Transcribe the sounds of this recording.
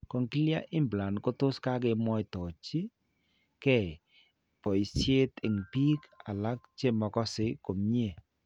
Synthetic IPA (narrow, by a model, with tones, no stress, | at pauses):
ko˨ŋki˦lja˦ʔɪ˦mbla˨nko˦tʊ˦ska˦k̬e˨mwɔ˦i˨tɔ˨t͡ʃi˦ | kɛ˦˨ | pɔ˨i˨sje˦tɪ˨ŋpi˦ka˨la˦kt͡ʃe˦mɔ˨kɔ˦sɪ˨˦ko˨mɲe˨